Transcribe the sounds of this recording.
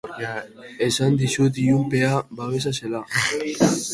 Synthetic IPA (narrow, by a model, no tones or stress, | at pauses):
e̞sand̪isud̪iumpe̞aβaβe̞s̬ase̞la